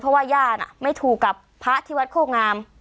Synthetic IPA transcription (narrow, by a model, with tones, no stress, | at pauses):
pʰɾɔ˦˥waː˥˩jaː˥˩na̰˨˩ma˥˩jt̪ʰuː˨˩kːa˨˩pʰːa˦˥ʔt̪ʰiː˦˥wa˦˥t̪̚kʰoː˥˩ŋaː˧m